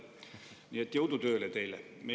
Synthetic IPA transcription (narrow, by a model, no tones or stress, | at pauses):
nʲiːet̪ːjowt̪ut̪øːlet̪eilḛ | me